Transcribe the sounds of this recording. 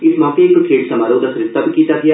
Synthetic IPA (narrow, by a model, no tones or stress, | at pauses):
ɪsmɔ̃ːkekʈʰɾeːɖsɐmaːɾoːd̪asɾɪt̪ːɐbkiːt̪aɡɪja